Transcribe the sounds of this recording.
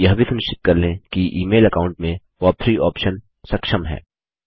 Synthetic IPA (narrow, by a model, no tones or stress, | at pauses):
jɐɦbʱisɐnʊʃt͡ʃɪ̥t̪̚kɐɾlẽkiʔiːmeːlɐkaːʊ̃ɳʈmẽ | ʋɔːpʰɾiːʔɔːpʃən | sɐkʃəmɦɛ̰ː